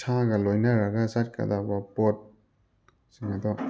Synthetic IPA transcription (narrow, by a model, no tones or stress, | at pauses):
sʰaɡalojnaɾaɡazat̚ka̰dabapɔt̚ | siŋadɔ